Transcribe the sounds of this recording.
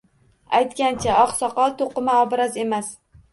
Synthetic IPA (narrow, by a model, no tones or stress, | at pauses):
ajt̪kʲant͡ʃʰaɒqsɒqɒlˠt̪ʰoqɨmaɒbɾaze̞mas